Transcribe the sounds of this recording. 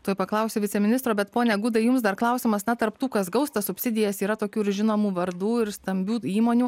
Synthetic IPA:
t̪oːjpɐklˠɐʊsʲoːʋʲɪtt͡sʲɛmʲɪnʲɪst̪ɾoːbʲɛt̪poːnʲɛɡʊd̪ɐɪjʊmsd̪ɐɾklˠɐʊsʲɪmɐsnʲɛt̪ɐɾpt̪uːkɐsɡɐʊst̪ɐsʊpʲsʲɪd̪ʲɪjɛsiːɾɐt̪oːkʲuːɪɾʒʲɪnoːmuːʋɐɾd̪uːɪɾst̪ɐmʲbʲuːiːmoːnʲuː

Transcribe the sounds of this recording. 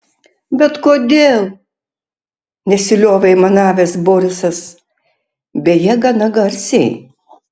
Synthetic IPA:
bʲɛt̪koːd̪ʲeːlˠ | nʲɛsʲɪlʲoːʋʲɛɪmɐnɑːʋʲesboːɾʲɪsɐs | bʲɛjɛɡɐnɐɡɐɾʲsʲɛɪ

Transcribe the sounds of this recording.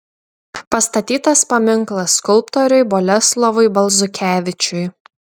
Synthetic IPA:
pɐst̪ɐt̪ʲiːt̪ɐspɐmʲɪŋklˠɐskʊlˠpt̪ɔɾʲʊɪbɔlʲɛslˠɔʋʊɪbɐlˠzʊkʲæːʋʲɪt͡ʃʲʊɪ

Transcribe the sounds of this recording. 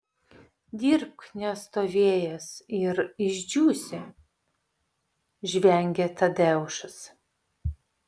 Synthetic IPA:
d̪ʲiɾpnʲɛst̪oːʋʲeːjɛsɪɾɪʒʲd͡ʒʲuːsʲɪ | ʒʲʋʲɛŋʲɡʲɛt̪ɐd̪ʲɛʊʃʊs

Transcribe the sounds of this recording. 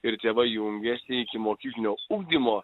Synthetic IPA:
ɪɾt̪ʲeːʋɐjʊŋʲɡʲæsʲnʲɪɪkʲɪmoːkʲiːkʲlʲɪnʲoːuɡ̚d̪ʲimoː

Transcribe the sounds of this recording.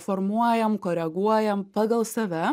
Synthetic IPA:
fɔɾmuɔjɛmkoːɾʲɛɡuɔjɛmpɑːɡɐlˠsɐʋʲɛ

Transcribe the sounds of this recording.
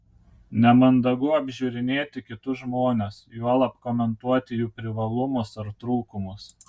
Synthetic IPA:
nʲɛmɐnd̪ɐɡʊɐbʲʒʲʊɾʲɪnʲeːt̪ʲɪkʲɪt̪ʊʒmoːnʲesjuɔlˠɐpkɔmʲɛnt̪uɔt̪ʲɪjuːpʲɾʲɪʋɐlˠʊmʊsɐɾt̪ɾuːkʊmʊs

